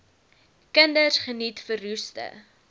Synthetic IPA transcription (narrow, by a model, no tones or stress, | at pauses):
kəndərsχənitfərustə̰